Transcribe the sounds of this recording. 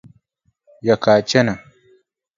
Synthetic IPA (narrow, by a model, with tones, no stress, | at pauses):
ja˨ka˨t͡ʃe˦na˨